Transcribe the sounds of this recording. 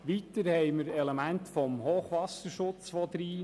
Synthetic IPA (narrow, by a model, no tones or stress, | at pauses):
ʋit̪əɾhɛɪməɾɛlemæntfɔmhoːχʋɑsəɾʃʊt͡sʋɔd̪ɾiː